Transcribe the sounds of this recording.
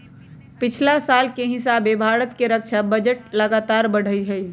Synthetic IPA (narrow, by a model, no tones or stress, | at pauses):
pɪt͡ʃʰlasalkeɦɪsabebʱaɾət̪keɾək̚t͡ʃʰabəd͡ʒəʈləɡat̪aɾbəɽ̤əjɦəj